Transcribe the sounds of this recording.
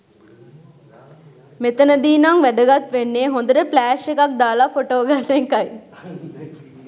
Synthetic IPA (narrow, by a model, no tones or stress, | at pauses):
met̪ənəd̪iːnaŋʋæd̪əɡat̪ʋenːeːɦond̪əɾəplæːʃekak̚d̪aːlafoʈoːɡalːeŋkɐj